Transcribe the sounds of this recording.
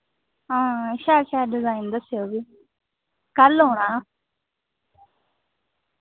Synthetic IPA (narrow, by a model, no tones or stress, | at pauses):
ɦãːʃaːʃaːɖɪzaːind̪əsːɪjoːɡiː | kəlɦoːɽaː